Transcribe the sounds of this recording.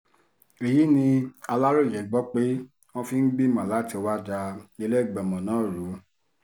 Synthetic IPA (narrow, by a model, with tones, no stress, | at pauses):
e˨ji˨˦nĩ˧a˧la˦ɾo˦˨jɛ˨˦ɡ͡bɔ˦k͡pe˦ | wɔ̃˦fi˦n̩˦ɡ͡bi˦˨mã˨la˨˦ti˧o˧wa˦d͡ʒa˧e˧lɛ˦˨ɡ͡bɛ˨mɔ̃˨nãː˨˦˨ɾu˨˦